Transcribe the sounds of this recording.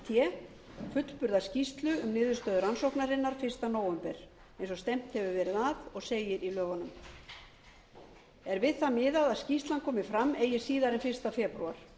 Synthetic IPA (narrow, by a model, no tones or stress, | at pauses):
t̪ʰjɛ | fʏt̪l̥pʏɾðascist̪lʏʏmnɪːðʏɾst̪œːðʏɾansowknaɾɪnːaɾ̥fɪr̥st̪anoːwʏmpɛɾ̥ | ẽjnsɔst̪ɛm̥t̪hɛvʏvɛːɾɪðaðɔɣseːjɪɾilœːvanʏm | ɛɾvɪðθamɪːðaðaðscist̪lankʰɔːmɪfɾamːeːjɪ̥siːðaɾɛnfɪrst̪afɛːpɾṵaɾ̥